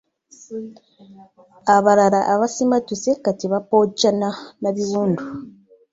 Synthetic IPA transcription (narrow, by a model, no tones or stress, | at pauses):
aβaɾaɾaʔaβasimatisekatiβapocananaβiβuːndu